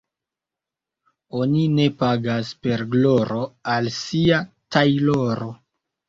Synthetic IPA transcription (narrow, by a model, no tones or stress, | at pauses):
o̞nine̞paɡaspe̞ɾɡloɾo̞alsiatʰajloɾo̞